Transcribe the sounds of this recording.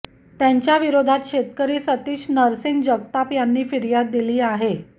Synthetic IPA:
t̪jãɲt͡ɕjaʋiɾod̪ʱat̪ɕet̪kəɾiːsət̪iːɕnəɾsiŋɡd͡ʑəɡ̚t̪apjanːiːfiɾjad̪̚ːiliːaɦe

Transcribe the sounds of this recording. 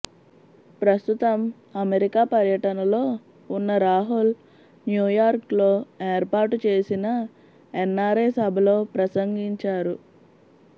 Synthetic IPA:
pɾɐst̪ut̪ɐm | ɐmeɾikaːpɐɾjɐʈɐnɐlo̞ː | unːɐɾaːɦul | njuːjaːɾklo̞ːeːɾpaːʈut͡ʃe̞ːsinɐ | enːaːɾeːsɐbʱɐlo̞ːpɾɐsɐŋɡiɲt͡ʃaːɾu

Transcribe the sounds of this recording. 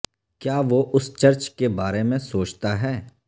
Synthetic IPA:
kjaːʋoʔʊst͡ʃɐɾt͡ʃkebaːɾemẽsoːt͡ʃt̪aɦɛː

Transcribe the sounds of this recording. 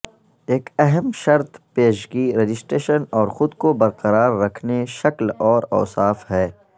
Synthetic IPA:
eːkɛɦɛmʃɐɾt̪peːʃɡiːɾed͡ʒɪsʈɾeːʃənɔːɾxʊd̪kobɐɾqɐɾaːɾːɐkʰneʃɐklɔːɾɔ̰ːsaːfɦɛː

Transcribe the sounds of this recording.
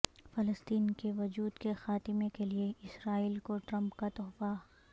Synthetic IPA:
fɐləst̪iːnkeʋɐd͡ʒuːd̪kexaːt̪ɪmekelieɪsɾaːiːlkoʈɾɐ̃mpkat̪ɔːfa

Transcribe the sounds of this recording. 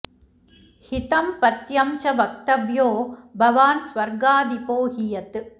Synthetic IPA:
hɪt̪ɐmpɐt̪jɐmt͡ʃɐbɐk̚t̪ɐʋjoːbʱɐʋaːnsʋɐɾɡaːd̪ipoːɦijɐt̪ɯ

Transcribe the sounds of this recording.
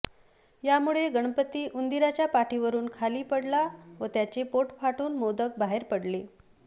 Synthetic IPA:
jamuɭeɡəɳpət̪ːiːʔund̪iɾat͡ɕjapaʈiʋəɾuːnkʰaliːpəɽlaʋət̪jat͡ɕepoʈfʰaʈuːnmod̪ək̚baɦeɾpəɽle

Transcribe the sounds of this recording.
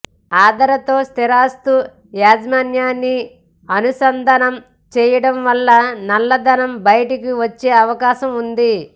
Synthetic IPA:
aːd̪ɐɾɐt̪o̞ːst̪iɾaːst̪u | jaːd͡ʒmaːnjaːnːi | ɐnusɐnd̪ʱɐnɐm | t͡ʃɛːjɐɽɐmʋɐlːɐnɐlːɐd̪ɐnɐmbɐjɐʈik̬iʋɐt͡ʃːeːɐʋɐkaːʃɐmund̪i

